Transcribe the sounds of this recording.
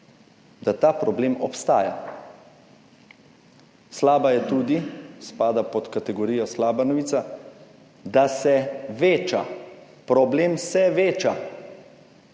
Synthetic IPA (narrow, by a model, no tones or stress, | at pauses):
d̪at̪aːpɾɔbleːmɔpst̪a̰ːja̰ | slaːbajɛt̪uːd̪ispaːd̪apɔt̪kat̪ɛɡɔɾiːjɔslaːbanɔʋiːt̪sa | d̪asɛʋeːt͡ʃa̰ | pɾɔbleːmsɛʋeːt͡ʃa